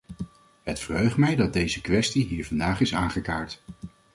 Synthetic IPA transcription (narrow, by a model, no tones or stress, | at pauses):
ɦətfərɦøɥχtmɛjdɑt̚dejzəkʋɛstiɦiːɹvɑndaːχɪsaːnχəkaːɹt